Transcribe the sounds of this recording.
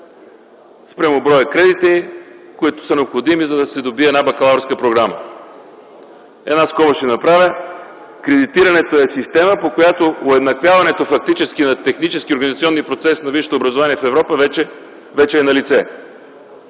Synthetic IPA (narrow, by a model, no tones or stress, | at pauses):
spɾʲɛmobɾɔjəkɾɛd̪it̪ɛikoit̪ʊ̥sənɛopxod̪imizɐd̪ɐsɛd̪obiɛːdnabɐkɐlˠavɾskəpɾoɡɾamə̰ | ɛ̰d̪naskɔɾoʃɛnɐpɾavʲjə | kɾɛd̪it̪iɾɐnɛt̪oɛsist̪ɛməpokojat̪ooɛd̪nɐkvʲjavɐnɛt̪ofɐk̚t̪it͡ʃɛskʲinɐt̪ɛxnit͡ʃɛsk̟ʲioɾɡɐnizt̪siɔnːipɾot̪sɛsnɐviʃt̪oːbɾɐzovaniɛfɛvɾɔpəvɛt͡ʃɛ | vɛt͡ʃɛːnɐlit̪sɛ